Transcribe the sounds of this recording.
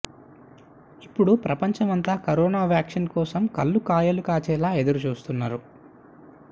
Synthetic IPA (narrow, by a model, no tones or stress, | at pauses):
ipːuɽupɾɐpɐɲt͡ʃɐmɐnt̪aːkɐɾɔːnaːʋjaːkʂinkɔːsɐmkɐlːukaːjɐlukaːt͡ʃɛːlaːe̞d̪uɾut͡ʃuːst̪unːaːɾu